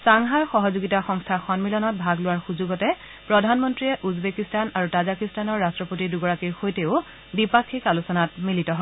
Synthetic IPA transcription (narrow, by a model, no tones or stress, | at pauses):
saŋɦaɹxɔɦɔzuɡitaxɔŋstʰaxɔnmilɔnɔt̚bʱaɡlʊwaɹxuzuɡɔtɛ | pɹɔdʱanmɔntɹiɛʔuzbekistanaɹutazakistanɔɹːastɹɔpotiduɡɔɹakiɹxojteʊ | bipakʰːikalusɔnat̚militɔɦɔ